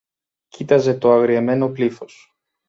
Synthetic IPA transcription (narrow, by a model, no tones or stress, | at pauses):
cit̪ɐze̞t̪o̞ɐɣɾieme̞no̞plifo̞s